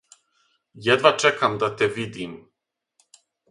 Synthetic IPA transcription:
jɛd̪ʋat͡ʃɛkamd̪at̪ɛvid̪im

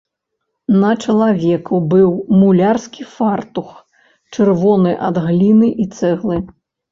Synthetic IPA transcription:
nɐt͡ʂɐlˠavʲɛkubɨwmulʲarskʲifart̪ux | t͡ʂɨrvɔnɨʔa̰d̪ɣlʲinɨʔit̪sɛɣlˠɨ

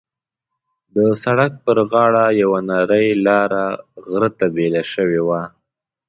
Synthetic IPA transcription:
d̪əsaɽak̚pəɾɣɑɽajawanaɾəjlɑɾaɣɾət̪abelaʃəwewa

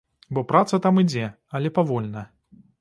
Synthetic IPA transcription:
bɔpɾat̪sɐt̪amid͡zʲɛ | ɐlʲɛpavɔlʲnɐ

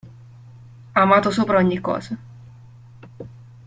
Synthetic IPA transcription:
aːmaːt̪osoːpɾaoɲːikːɔ̰ːza

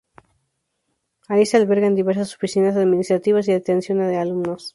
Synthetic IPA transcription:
aisealβe̞ɾɣand̪iβe̞ɾs̬aso̞fisinas̬aðminist̪ɾat̪iβas̬iðet̪ensjo̞naðealumnos

